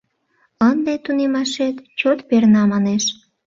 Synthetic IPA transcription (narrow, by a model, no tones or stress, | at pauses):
ənd̪et̪unemɑʃet̪t͡ɕot̪pernɑmɑneʃ